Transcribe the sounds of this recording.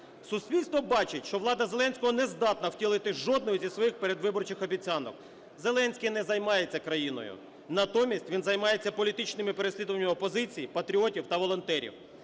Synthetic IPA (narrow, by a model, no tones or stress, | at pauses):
sʊsʲpʲilʲst̪ʋɔbɑt͡ʃɪtʲʃt͡ʃɔʋlˠɑd̪ɐzelˠɛnʲsʲkɔɦɔnezd̪ɑt̪nɐwtʲilˠɪt̪ɪʒɔd̪̚nɔjʊzʲisʋɔjixpeɾed̪ʋɪbɔrt͡ʃɪxɔbʲit͡sʲɑnɔ̰k | ze̞lˠɛnʲsʲkʲɪnɛzɐjmɑjet͡sʲːɐkɾɐjinɔ̰jʊ̰ | nɐt̪ɔmʲisʲtʲʋʲinzɐjmɑjet͡sʲːɐpɔlʲit̪ɪt͡ʃnɪmɪpe̞ɾesʲlʲid̪ʊʋɐnʲːmɐɔpɔzɪt͡sʲijipɐt̪ɾʲiɔtʲiwt̪ɐʋɔlˠɔnt̪ɛɾʲḭw